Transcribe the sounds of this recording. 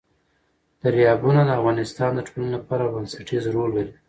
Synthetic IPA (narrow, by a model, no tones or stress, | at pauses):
d̪̥aɾijɑbunad̪əafɣɑnɪst̪ɑnd̪əʈʰolanolapɑɾabansaʈizɾolwel